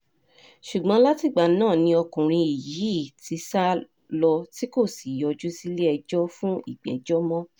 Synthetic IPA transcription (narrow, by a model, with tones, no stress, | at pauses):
ʃu˨ɡ͡bɔ̃˨˦la˦ti˦˨ɡ͡ba˨nãː˦˨nĩ˧ɔ˧kũ˨ɾ̃ĩ˧i˨ji˨i˨˦˨ti˨˧sa˦ | lɔ˧ti˦ko˦˨si˨jɔ˧d͡ʒu˦si˦le˦ɛ˧d͡ʒɔ˦fũ˦ḭ˦˨ɡ͡bɛ̰˨d͡ʒɔ˦mɔ̃˦